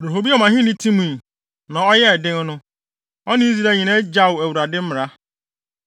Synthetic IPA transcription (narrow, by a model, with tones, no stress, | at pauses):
ɾo˨ɦo˨bi˦ɔ˦mã˨ɦɪ̃˦nɪ̃˦tʰĩ˦mũ˨ | nã˨ɔ˦jɛ˦˨dɪ̃˦n˦nʊ̃˦ | ɔ˦nɪ̃˦zi˨ɾa˦ɲĩ˨nã˦d͡ʑa˦wæ˨wu˨ɾa˨dɪ˦m̩˦mɪ˨ɾa˦